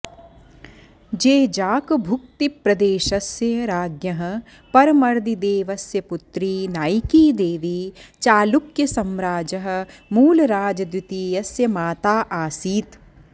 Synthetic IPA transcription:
d͡ʒeːd͡ʒaːkbʱʊk̚t̪ipɾɐd̪eːʃɐsjɐɾaːɡjɐɦɐ̆ | pɐɾmɐɾd̪id̪eːʋɐsjɐpʊt̪ɾiːnaːjkiːd̪eːʋiːt͡ʃaːlukjɐsɐmɾaːd͡ʒɐɦ̆muːlɾaːd͡ʒɐd̪wɪt̪iːjɐsjɐmaːt̪aːʔaːsiːt̪

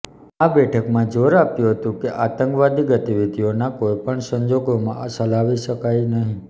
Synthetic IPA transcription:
abɛʈʰəkmãd͡ʒoɾapjũɦət̪ũkeʔat̪əŋkʋad̪iɡət̪iʋid̪ʱionakojpəɳsəɲd͡ʒoɡomãsəlaʋiʃəkajnəɦĩ

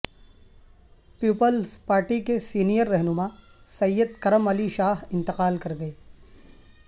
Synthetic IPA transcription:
piːpəlzpaːɾʈikesiːnijəɾːɛɦnʊma | sɐjːəd̪̚kɐɾəmɐliʃaːɦɪ̃nt̪ɪqaːlkɐɾɡɐeː

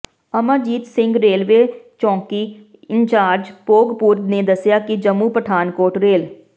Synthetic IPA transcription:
əmaːd͡ʒiːt̪sɪ̃ŋɡɾeːlʋeːt͡ʃɔ̃ːŋki | ɪɲt͡ʃaːd͡ʒpoːɡpuːɾd̪ned̪əsjaːkɪd͡ʒəmːuːpɾəʈʰaːnkoːɾʈɾeːl

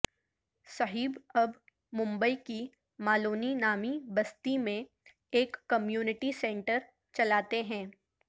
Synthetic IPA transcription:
sɐɦiːbɐb | mʊ̃mbəiki | maːloːninaːmibɐst̪imẽ | eːkːɐmjuːnɪʈisɛ̃ɳʈəɾ | t͡ʃɐlaːt̪eɦɛ̃ː

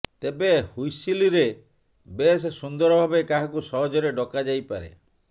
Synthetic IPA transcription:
t̪ebehujsiliɾe | bessund̪ɔɾɔbʱabekaɦakusɔɦɔd͡ʒɔɾeɖɔkad͡ʒajpaɾḛ

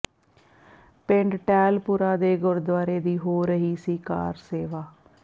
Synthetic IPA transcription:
pɪɳɖʈɛːlpuɾaːd̪eːɡʊɾd̪ʋaːɾeːd̪iːɦoːɾəɦiːsiːka̰ːɾseːʋaː

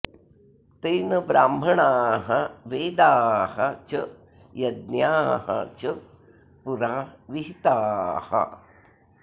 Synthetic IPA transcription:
t̪ejnɐbɾaːmɦɐɳaːɦɐʋeːd̪aːhɐt͡ʃə | jɐd̪̚njaːhɐ̰t͡ʃə | puɾaːʋiɦit̪aːhɐ̰

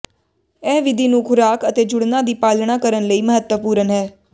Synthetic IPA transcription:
ɛːʋɪd̪ʱiːnũːkʰʊɾaːkət̪eːd͡ʒʊɽnaːd̪iːpaːlnaːkəɾənləiːməɦət̪wəpuːɾənɦɛː

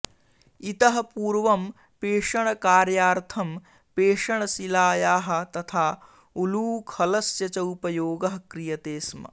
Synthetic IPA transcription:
it̪ɐɦɐ̆puːɾʋɐm | peːʂɐɳ̃ɐkaːɾjaːɾt̪ʰɐm | peːʂɐɳɐsilaːjaːɦɐ̆t̪ɐt̪ʰaː | uluːkʰhɐlɐsjɐt͡ʃɐwpɐjoːɡɐɦɐkɾijɐt̪eːsmɐ̰

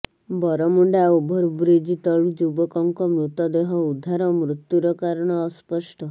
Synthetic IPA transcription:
bɔɾɔmuɳɖaubʱɔɾbɾid͡ʒit̪ɔɭud͡ʒubɔkɔŋkɔmɾut̪ɔd̪eɦɔud̪ʱaɾɔmɾut̪juɾɔkaɾɔɽ̃ɔːspɔsʈɔ

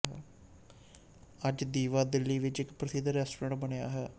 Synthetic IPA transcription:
ɦɛː | əd͡ʒd̪iːʋaːd̪ɪlːiːʋɪt͡ʃɪkpɾəsɪd̪ɾɛːsʈoɾãːɳʈbənejaːɦɛː

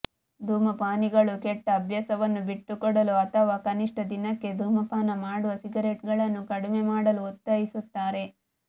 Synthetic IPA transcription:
d̪ʱuːmɐpaːniɡɐɭukɛʈːɐːbʱjɐsɐʋɐnːubiʈːukɔɽɐluɐt̪ʰɐʋaːkɐniʂʈɐd̪inɐkːe̞d̪ʱuːmɐpaːnɐmaːɽuʋɐsiɡɐɾe̞ːʈɡɐɭɐnːukɐɽime̞maːɽɐluːt̪ːɐjisut̪ːaːɾe̞

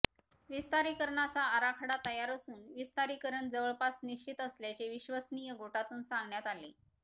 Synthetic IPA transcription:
ʋist̪aɾikəɾɳat͡saəɾakʰəɽat̪əjaɾəsuːnʋist̪aɾikəɾəɳd͡zəʋəɭpasniɕt͡ɕit̪əsljat͡ɕeʋiɕʋəsnijəɡoʈat̪uːnsãŋɡɳjat̪ale

